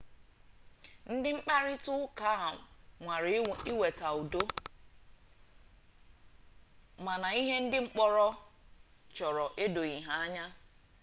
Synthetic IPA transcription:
n̩˦dɪ˦ŋ͡m̩˦k͡pa˦ɾɪ˦tʊ˦ka˦˨ŋʷa˨ɾi˦we˨ta˨u˨do˦ | ma˨na˨i˦ɦe˦n̩˦dɪ˦ŋ͡m̩˦k͡pɔ˦ɾɔ˦ | t͡ʃɔ˨ɾɔ˨ʔe˦do˨ɣi˨ɦa˨a˦ɲa˦

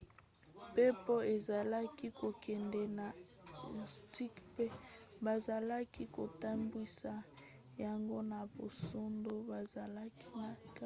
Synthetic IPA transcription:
pe˦po˦e˨za˨la˦ki˦ko˨kʰɛ˨ndɛ˨na˨ | ti˦kpe˦ba˨za˨la˦ki˦ko˨ta˦mbwi˦sa˨ | ja˨ŋɡo˦na˨bo˨so˦ndo˦ba˨za˨la˦ki˦na˨k

